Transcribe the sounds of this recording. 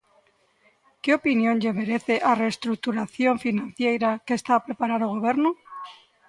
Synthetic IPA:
keopinjõŋʎemeɾeθeʔareːst̪ɾuk̚t̪uɾaθjoɱfinãnθjejɾakeːst̪aːpɾepaɾaɾoɣ̞oβ̞eɾno

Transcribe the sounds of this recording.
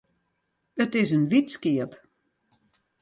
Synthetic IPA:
ətɪsənʋitskiəp

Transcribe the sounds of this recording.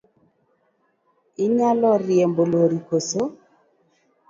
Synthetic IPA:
iɲalɔɾjɛmboloɾikoso

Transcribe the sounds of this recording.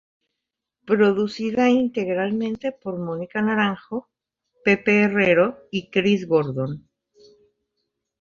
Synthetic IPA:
pɾo̞ðusiðaint̪e̞ɣɾalmẽ̞nt̪e̞po̞ɾmonikanaɾaŋxo̞ | pe̞peːreɾo̞ikɾizɣoɾðo̞n

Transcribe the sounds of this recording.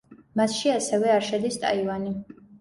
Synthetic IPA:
masʃiasɛvɛaɾʃɛd̪ist̪ʼa̰ivani

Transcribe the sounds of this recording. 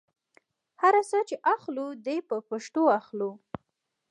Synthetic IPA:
haɾasət͡ʃeʔaxlud̪epəpaʃʈ̪oaxlu

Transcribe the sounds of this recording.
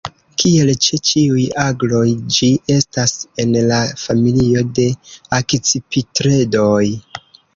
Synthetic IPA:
kʰie̞lt͡ʃet͡ʃiujaɡlo̞jd͡ʒiʔe̞stase̞nlafamilio̞de̞akt͡sipitɾe̞do̞j

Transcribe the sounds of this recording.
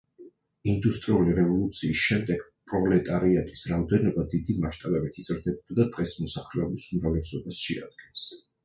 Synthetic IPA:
ind̪ust̪ʼɾiuliɾɛvɔlˠut̪sʰiːsʃɛmd̪ɛɡ̥pʼɾɔlɛt̪ʼaɾiat̪ʼi̥sɾaɔd̪ɛnɔbad̪id̪imaʃt̪ʼaɾɛbit̪ʰit̪sʼɾd̪ɛbɔd̪ad̪ad̪̥ʁɛsmɔsaχlɛɔbisumɾavlɛsɔbasʃɛa̰d̪̚ɡɛns

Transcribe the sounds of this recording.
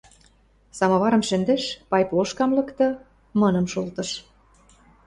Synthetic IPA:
sɑmɑβɑɾɤ̆mʃɘ̆nd̪ĕʃpɑjpoʃkɑmlɤ̆kt̪ɤ̆ | mɤnɤ̆mʃult̪ɤ̆ʃ

